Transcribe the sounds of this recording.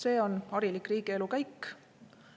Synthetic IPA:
se̞ːo̞nɑɾilikːˑriːɡ̥ie̞lukæjkː

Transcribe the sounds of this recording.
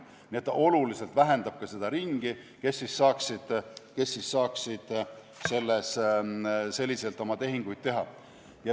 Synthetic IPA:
nniet̪ːɑo̞lulise̞lt̪væɦe̞nd̪ɑb̥̚kɑse̞d̪̥ɑɾiŋɡ̥i | ke̞sːisːɑːksid̪̥ke̞sːisːɑːksid̪̥ | se̞lːes | se̞lʲːise̞lt̪ːˑo̞mɑt̪e̞ɦiŋɡ̥ujd̪̥̚t̪e̞ɦɑ | jɑ

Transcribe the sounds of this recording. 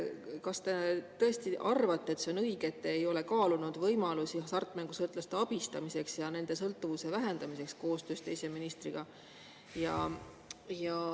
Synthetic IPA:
kɑst̪e̞t̪ɤ̞est̪iʔɑrvɑt̪ːˑe̞t̪se̞o̞nɤiɡ̥eːt̪ːeːjo̞le̞kɑːlunud̪vɤjmɑlusisɑrt̪ːˑmeŋɡ̥usɤlt̪lɑst̪eɑb̥ist̪ɑmise̞ksjɑne̞nd̪̥e̞sɤlt̪ːˑuvuse̞væɦe̞nd̪ɑmise̞ksko̞ːst̪ø̞ːst̪eise̞minist̪riɡ̥ɑ | jɑ | jɑ

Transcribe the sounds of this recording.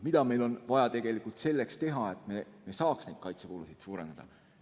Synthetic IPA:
mid̪̥ɑme̞jlo̞nvɑjɑt̪e̞ɡ̥e̞likːˑult̪se̞lːe̞kst̪e̞ɦɑe̞t̪ˑmemesɑːksnejd̥̪̚kɑjt̪sekoːlusid̪̥suːɾe̞nd̪ɑd̪̥ɑ̰

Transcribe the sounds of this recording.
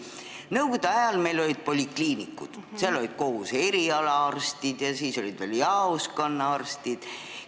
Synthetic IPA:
nɤwɡ̥od̪̥eɑjɑlme̞lo̞lʲid̪̥̚po̞lʲikliːnikːṵd̪̥seɑlo̞lʲid̪̥ko̞huse̞ɾiɑlɑɑrst̪id̪̥jɑsiːso̞lʲid̪̥veljɑoskɑnːɑɑrst̪id̪̥

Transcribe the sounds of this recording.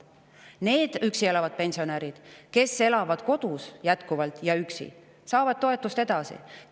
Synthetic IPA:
ne̞ːd̪̥yksie̞lɑvɑd̪̥̚pe̞nʲsio̞næɾid̪̥ke̞sːe̞lɑvɑd̪̥ko̞d̪̥usjæt̪kuvɑlt̪ˑjɑyksḭ | sɑːvɑd̪̥̚t̪o̞e̞t̪ːˑust̪e̞d̪̥ɑsḭ

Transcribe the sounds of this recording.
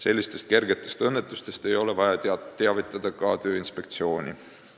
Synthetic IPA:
se̞lʲːist̪e̞st̪̚ke̞rɡe̞t̪ːˑe̞st̪ɤnːet̪ˑːust̪e̞st̪e̞jo̞levɑjɑt̪eɑvit̪ːˑɑd̪̥ɑkɑt̪ø̞ːinspe̞k̚t̪sio̞ːnʲḭ

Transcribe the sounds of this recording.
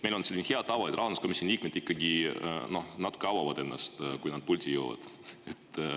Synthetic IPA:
mejlonse̞lʲːineheɑd̪̥̚t̪ːɑvɑlid̪rɑhnɑskomisonʲliːk̚med̪̥ikːɑɡino̞hnɑt̪u̥keɑwɑvɑd̪̥e̞nːɑ̰st̪kujnɑd̪̥̚pulʲt̪ʲijowvɑ̰d̪̥ | et̪ː

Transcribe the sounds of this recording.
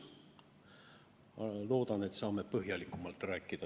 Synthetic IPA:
lo̞ːd̪̥ɑne̞t̪ːsɑːme̞pɤɦjɑlikːˑumɑlt̪ræːkːˑid̪̥ɑ

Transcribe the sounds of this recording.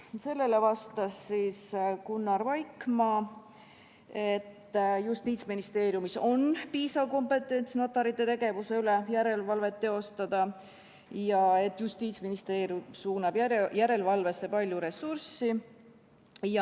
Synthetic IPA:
se̞lːe̞le̞vɑst̪ɑsːiːskunːɑɾvɑjkmɑ | e̞t̪ːjust̪iːt̪sminist̪e̞ːɾjumiso̞npiːsɑvko̞mpe̞t̪ːˑe̞nt̪sno̞t̪ːˑɑɾit̪ːˑe̞t̪e̞ɡ̥e̞vuse̞ylejæɾe̞lvɑlve̞t̪ːe̞o̞st̪ɑd̪̥ɑ | jɑe̞t̪ːˑjust̪iːt̪sminist̪e̞ːɾjumsuːnɑb̥jæɾe̞lvɑlve̞sːe̞pɑlʲjuɾe̞sursi | jɑ

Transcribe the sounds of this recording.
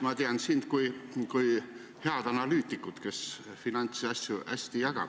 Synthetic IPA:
mɑt̪eɑnsind̪̥kujkuj | he̞ɑd̪̥ɑnɑlyːt̪ːˑikːut̪ke̞sfinɑnʲt̪sɑsʲjuʔæsʲt̪ijɑɡ̥ɑ̰b̥

